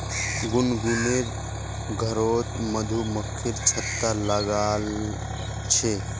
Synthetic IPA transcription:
ɡunɡuneɾ | ɡʱəɾoːt̪məd̪ʱuməkʰːiɾt͡ʃʰət̪ːalaɡal | t͡ʃʰe

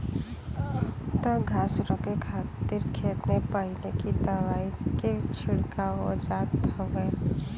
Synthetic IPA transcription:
t̪ɔɡʱaːsɾɔ̃kekʰaːt̪iɾkʰeːt̪nepəɦɪlekit̪əʋaːiket͡ʃʰɪɽkao̰d͡ʒaːkt̪əweː

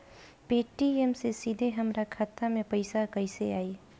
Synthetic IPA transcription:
peːʈːiemsesid̪ʱeɦəmɾakʰaːt̪ːamẽpəɪsakəɪseaːi

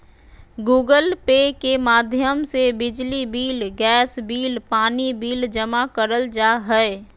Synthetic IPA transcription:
ɡuːɡəlpeːkemaːd̪ʱjəmsebɪd͡ʒlibiːlɡɛːsbiːlpaːnibiːld͡ʒəmakəɾəld͡ʒaːɦɛe

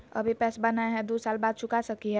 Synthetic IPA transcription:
ɐ̰bʱipɛːsbənaeɦɛ̃d̪usaːlbaːd̪̚t͡ʃʰʊkasəkiɦɛ

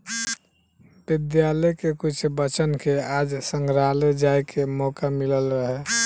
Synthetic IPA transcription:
bid̪jaləkekut͡ʃʰbət͡ʃənkead͡ʒsə̃ŋɡɾaled͡ʒajkʰemɔkamiləlɾəɦɛ

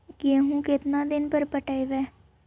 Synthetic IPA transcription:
kɪeɦũːkɪt̪nãːd̪ɪnpəɾpəʈaːiʋɛː

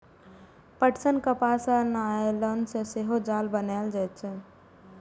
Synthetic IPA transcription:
pəʈsənkəpaːsanaelɔnsẽseɦod͡ʒaːlbənald͡ʒaːt͡ʃʰɛ

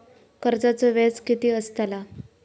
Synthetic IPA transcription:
kəɾd͡zat͡sɔʋet͡skit̪iːəst̪ala

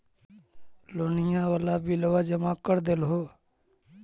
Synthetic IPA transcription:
loːnɪjãːʋəlaːbʱiːləʋaːd͡ʒəmaːkəɾd̪eːlɦoː

